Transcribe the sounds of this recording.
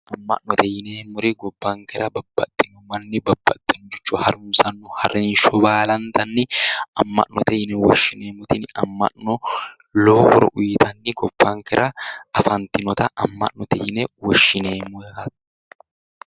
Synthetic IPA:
ʔɐmːɐ̰ʔnɔt̪ɛjɪneːmːʊɾɪɡɔbːaːŋkɛɾɐbɐbːɐ̰t̪ʼːɪnʊmɐnːɪbɐb̥ːɐ̰t̪ʼːɪnʊd͡ʒɛt͡ʃːʊhɐɾʊmsɐnːʊhɐɾenʃɔbaːlɐnt̪ɐnːɪɐmːɐ̰ʔnɔt̪ɛjɪnɛwɔʃːɪneːmʊt̪ɪnɐmːɐ̰nɔ | loːhɔɾɔ̰ʔʊjɪt̪ɐnːɪɡɔb̥ːaːŋkɛɾʔɐɐfɐnt̪ɪnɔt̪ɐʔɐmːɐ̰ʔnɔt̪ɛjɪnɛwɔʃːɪneːmʊɛhɐt̪

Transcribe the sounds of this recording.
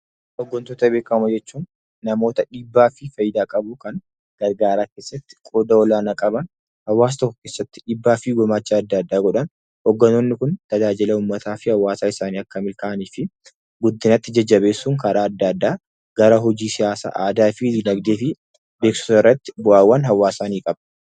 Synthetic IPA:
ʔɔɡːɔnt̪oːt̪ɐbeːkɐmɐd͡ʒɛt͡ʃːuːnː | ɐmo̞ːt̪ɐᶑiːbːaːfɪfɐjɪd̪aːkʼɐbʊkɐŋ | ɡ̥ɐɾɡaːɾaːke̞ːsːɐt̪ːɪ̥kʼoːd̪ɐɔlaːnɐkʼɐbɐn | hɐwːaːs̬t̪ɔkːɐ̥ke̞ːsːɐt̪ːɪ̥ᶑiːbːaːfɪɡɔmaːt͡ʃːaːd̪ːɐd̪ːaːɡɔᶑɐn | ɔɡːɐnonːɪkʊnt̪ɐd͡ʒaːd͡ʒɪlɐuːmːɐt̪ʰaːfɪhɐwːaːsaːɪsaːniːɐkːɐmɪlkɐʔniːfɪ | ɡʊd̪ːɪnɐt̪ːɪd͡ʒɐd͡ʒːɐβe̞ːsːuːŋkɐɾaːɐd̪ːɐd̪ːaː | ɡ̥ɐɾɐɦɔd͡ʒiːsɪjaːsa̰ːʔaːd̪aːfɪd̪iːnɐɡd̪eːfɪ | beːksʊ̥ɐɪrːɐt̪ːɪ̥bʊʔaːwːɐnɦɐwːaːsaːniːkʼɐbɐ

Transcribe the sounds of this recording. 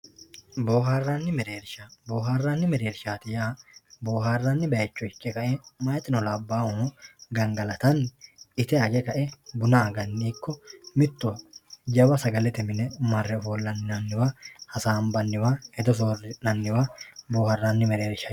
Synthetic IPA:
bo̞ːɦaːrːanːɪmɛɾe̞ːɾʃaboːɦaːrːanːɪmɛɾeːɾʃaːt̪ɪjaːbo̞ːɦaːrːɐnːɪbɛjɐt͡ʃːɔɪkːɛkɐʔɛmɐjɐt̪ʼːɪnɔlabːaːwʊɡɐŋɡɐlɐt̪ɐnɪt̪ɛɐɡɛkɐʔɛbʊnaːɡɐnːiːkːɔmɪt̪ːʊwɐd͡ʒɐbɐsɐɡɐlɛt̪ɛmɪnɛmɐrːɛɦoːlːɐnɐnːɪwahɐsaːmbɐnːɪwaɛd̪ɔs̬oːrɪnɐnːɪwabo̞ːhɐrːɐnːɪmɛɾeːɾʃɐ

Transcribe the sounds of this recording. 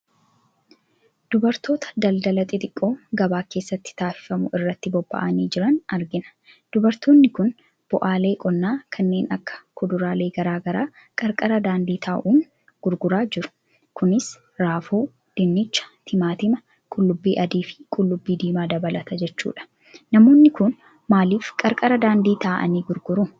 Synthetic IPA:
d̪̥ʊbɐɾt̪o̞ːt̪ɐ̥d̪ɐld̪ɐlɐt̪ʼɪt̪ʼɪkʼːo̞ːɡɐbaːke̞ːsːɐt̪ːɪ̥t̪aːfɪ̥fɐmʊɪrːɐt̪ːɪbɔbːɐ̰ʔɐniːd͡ʒɪɾɐnɐɾɡɪnɐ̥ | d̪̥ʊbɐɾt̪oːnːɪkʊn | b̥ʊʔaːle̞ːkʼɔnːaːkʰɐnːe̞ːnʔɐkːɐ̥kʰʊd̪ʊɾaːle̞ːɡɐɾaːɡɐɾaː | kʼɐɾkʼɐɾɐd̪aːnd̪iːt̪ʰaːʔuːn | ɡ̥ʊɾɡʊɾaːd͡ʒɪɾʊ̥ | kʊnɪs | ɾaːfoː | d̪̥ɪnːɪt͡ʃːɐ̥t̪ʰɪmaːt̪ɪmɐ | kʼʊlːʊbːiːʔɐd̪iːfɪ̥kʼʊlːʊbːiːd̪iːmaːd̪ɐbɐlɐt̪ɐd͡ʒɛt͡ʃːṵːᶑɐ̥ | nɐmo̞ːnːɪkʊn | maːliːfkʼɐɾkʼɐɾɐd̪aːnd̪iːt̪aːʔɐ̰niːɡʊɾɡʊɾʊ

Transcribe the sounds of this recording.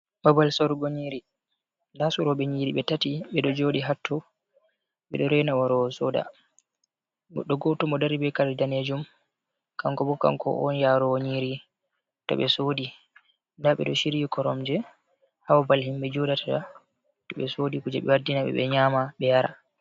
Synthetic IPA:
babalsɔɾɡoɲiɾi | ndasuɾɔɓɛɲiːɾiɓɛtatiɓɛɗɔd͡ʒoːɗiɦatʰːɔ | ɓɛɗɔɾɛnawaɾɔsɔːda̰ | ɡɔɗɔɡɔtɔmɔdaɾibɛkaɾidaned͡ʒum | kaŋkɔbɔka̰ŋkɔ̰ʔɔ̰njaɾɔwoɲiɾi | tɔ̰ɓɛsodi | ndaɓɛ̰ɗɔʃiɾikɔɾɔmd͡ʒɛ | hawabalhimɓɛd͡ʒodatata | tɔɓɛsoːdikud͡ʒɛɓɛwadinaɓɛ̰ɓɛɲaːmaɓɛjaɾa̰

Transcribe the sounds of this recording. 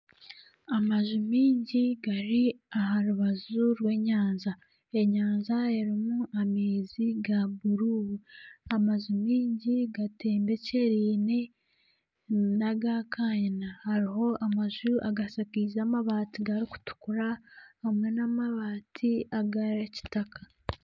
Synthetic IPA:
amaʒumiːɲɟiɡaɾiaɦaɾuβazuɾwe̞ːɲaːnza | e̞ɲaːnzaeɾimuameːziɡabuɾuːβuamaʒumiːɲɟiɡate̞ːmbe̞ceɾiːne | naɡakʰajenahaɾiɦo̞amaʒuʔaɡasakiːzaːmaβaːtiɡaɾiku̥tu̥kuɾahamwe̞namaβaːtʰiaɡaɾaci̥takʰḁ

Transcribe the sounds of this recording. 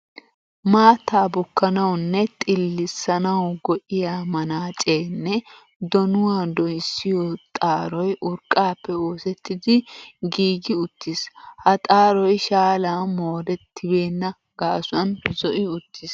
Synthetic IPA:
maːt̪ːaːbʊkːɐnɐwnːɛt̪ʼɪlːɪsːɐnɐwɡɔʔɪjaːmɐnaːt͡ʃʼeːnːɛ | d̪ɔnʊwaːd̪ɔjsːɪjɔt̪ʼaːɾɔjʔʊɾkʼːaːpːɛoːsɛt̪ʰːɪd̪ɪɡiːɡɪʊt̪ʰːishɐt̪ʼaːɾɔjʃaːlaːmoːd̪ɛt̪ːɪbe̞ːnːɐ | ɡ̥aːsʊɐnzɔʔɪʊt̪ːɪs

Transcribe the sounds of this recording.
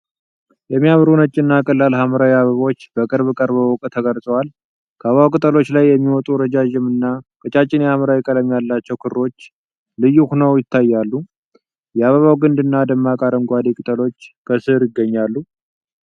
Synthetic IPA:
jɛmːijaβɾunət͡ʃʼːɪnːakʼəlːalɦaməɾawiaβəβaot͡ʃːbəkʼɨɾβkʼəɾbəwɔkʼt̪ʰəɡəlsʼəwal | kʰəaβəβawkʼɨt̪ʼəlo̞t͡ʃːlajːɛmːiwɔt̪ʼuɾəd͡ʒaʒɪmɨnːakʼət͡ʃʼat͡ʃʼːɪnehaməɾawikʼəlɛmːijalːat͡ʃːɛwkʰɨɾːo̞t͡ʃː | lɨjuhnəwjɪt̪ʰːajːalːu | jɛaβəβawɡɨnd̪ɨnːad̪əmːakʼaɾəŋɡʷad̪ikʼɨt̪ʼəlo̞t͡ʃːkʰəsɨhɾjɪɡːəɲːalːu

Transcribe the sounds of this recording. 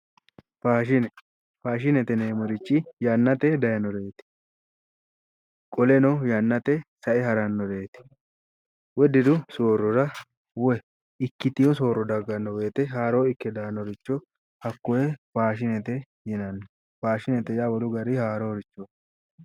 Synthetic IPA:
faːʃɪnɛ | faːʃ̬ɪnɛt̪ɛneːmɔɾɪt͡ʃʼːɪjɐnːɐt̪ɛd̪ɐjɐnɔɾeːt̪ɪ̥ | kʼɔlɛnɔjɐnːɐt̪ɛsɐʔɛɦɐɾɐnːɔɾe̞ːt̪ɪ̥ | wɔd̪ɪd̪ʊsoːɾːɔɾɐ | wɔ | ɪkːɪt̪ɪjɔso̞ːɾɔd̪ɐɡːɐnːɔwe̞ːt̪ɛɦaːɾoːɪkːɛd̪aːnɔɾɪt͡ʃːɔ | hɐkːɔjɛfaːʃ̬ɪnɛt̪ɛ | jɪnɐnː | faːʃɪnɛt̪ɛjawɔlʊɡɐɾɪhaːɾoːɾɪt͡ʃːoː

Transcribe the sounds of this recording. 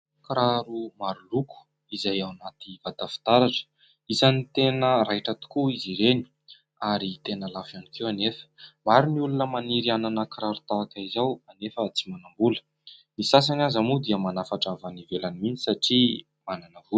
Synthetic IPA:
kɾaɾumaɾuluku̥ | izajawnat̪ivad̪afi̥t̪aɾaʈ͡ʂə̥ | izanit̪enəɾajʈ͡ʂət̪u̥kuiziɾeni̥ | aɾit̪enəlafanikʰewanefə̥maɾiniulunəmaniɾiananəkɾaɾut̪aakaizawanefət͡simanambulə̥ | nisas̬anazamud̪iəmanafaʈ͡ʂavanivelanimint͡si̥saʈ͡ʂi | mananəvul

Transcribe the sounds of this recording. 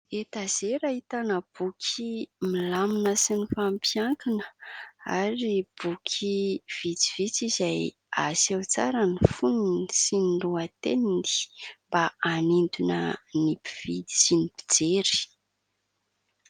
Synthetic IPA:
et̪azeɾaɦit̪anəb̥ukʲʰimilaminəsinifampjaŋkinəa̰ɾib̥ukʰiv̥it͡siv̥it͡sizaj | a̰sawt͡saɾənifuninisiniluat̪enind̪i̥mbaanind̪unənipi̥v̥ii̥sinipi̥d͡zeɾi̥

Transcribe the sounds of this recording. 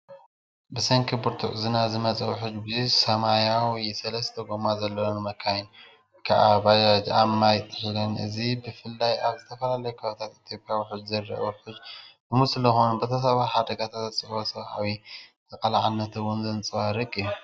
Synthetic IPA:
bɨsɐŋkʰɨbuɾt̪ʰuʕzɨnazɨmɐt͡sʼɐwħʊd͡ʒbɨzusɐmajawɔjsɐlɐst̪ʰɐɡomazɐlːonɨmɐkʰːajn | kʰaʔabad͡ʒad͡ʒamːajt̪ʼːɨħlɐnɨ̰zibɨfɨlːajʔaβzɨt̪ʰɐfɐlalɐjukʰβt̪ʰat̪it̪ʰjopʼjawiħud͡ʒzɐjɾɐ̰ʔwħʊd͡ʒbɨmusɨlːɐxunbɐt̪ʰɐsɐβaħad̪ɐɡat̪ʰat̪ɐt͡sʼɨħbosɐβʔawit̪ʰɐkʼɐlaʕanːɐt̪ʰɐwʊnzɨnt͡sʼɨβaɾɨkʼij

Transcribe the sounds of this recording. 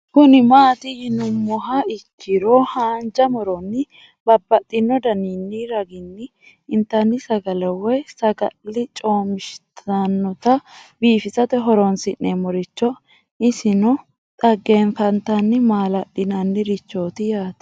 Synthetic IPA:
kʊnɪmaːt̪ɪjɪnʊmːɔɦɐɪkʰːɪɾohaːnd͡ʒɐmɔɾɔnːɪ | b̥ɐbːɐtʼːɪnːɔd̪ɐniːnːiɾɐɡɪnːɪ | ɪnt̪ːɐnːɪsɐɡɐlɛwɔjsɐɡɐlːɪt͡ʃʼo̞ːmɪʃt̪ʰɐnːɔt̪ɐbiːfɪsɐt̪ɛɦɔɾɔnsɪnːeːmɔɾɪt͡ʃːɔ | ɪsɪnɔ | t̪ʼɐɡːeːnfɐnt̪ɐnːɪmaːlɐɗɪnɐnːɪɾɪt͡ʃːo̞ːt̪ɪjaːt̪ɐ̥

